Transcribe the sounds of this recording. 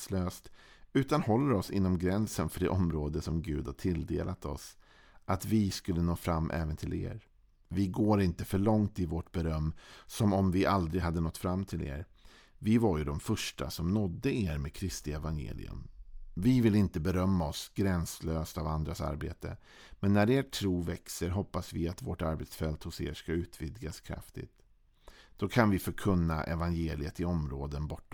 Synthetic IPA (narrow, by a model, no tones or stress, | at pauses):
sløːst̪ʉ̟ːt̪anhɔlːəɾɔsɪ̰nːɔmɡɾɛnsənfœɖɛ̰ʔɔmɾoːd̪əsɔmɡʉ̟ːd̪haʈʰɪld̪eːlʔat̪ɔ̰s | ʔat̪vɪskɵlːənoːfɾamːʔɛ̰ːvənt̪ʰɪlḛːɾ | vɪɡoːɾɪnt̪əfœɭɔŋt̪ɪvoʈbɛɾœmːsɔmɔmvɪʔald̪ɾɪɡɦad̪ːənɔt̪ːfɾamːt̪ʰɪlʔḛːɾ | vɪvaɾjɵd̪ɔmfœʂʈa̰sɔmnɔd̪ːəeːɾmeːd̪kʰɾɪst̪ɪɛvanjḛːlɪ̰ɵ̰mvɪvɪlɪnt̪əbɛɾœmːaɔsɡɾɛnsløːst̪avand̪ɾasa̰ɾbḛːt̪ə | mɛnːæɾeːʈʰɾuːvɛksəɾɦɔpːasvɪat̪voːʈaɾbet̪sfɛlt̪hʊsḛːʂkaʉ̟ːt̪ʰvɪd̪ɡaskʰɾa̰ft̪ɪ̰t̪ | d̪̥ɔkʰanvɪfœɾkʰɵnːa̰ʔɛ̰vanjeːlɪət̪ɪɔmɾoːd̪ənbɔʈːa